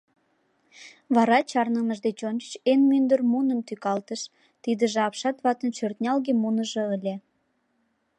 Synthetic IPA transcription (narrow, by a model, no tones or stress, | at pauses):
βɑɾɑt͡ɕɑrnənəʒd̪et͡ɕont͡ʃət͡ɕenmynd̪ərmunəmt̪ykɑlt̪əʃ | t̪id̪əʒeɑpʃɑt̪βɑt̪ənt͡ɕørt̪nʲɑlɣemunəʒeəlʲe